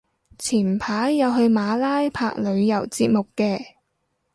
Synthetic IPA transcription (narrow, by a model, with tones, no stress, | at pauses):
t͡sʰiː˨˩npʰaː˨˥jjɐ˨˧wɦɵ˧ɥmaː˨˧laː˥jpʰaː˧k̚lɵ˨˧ɥjɐ˨˩wt͡siː˧t̚mʊ˨kːɛː˧